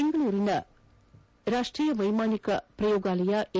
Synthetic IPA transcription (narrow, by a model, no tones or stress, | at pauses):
eŋɡɐɭuːɾinɐ | ɾaːʂʈɾiːjɐʋɐjmaːnikɐpɾɐjoːɡaːlɐjaʔe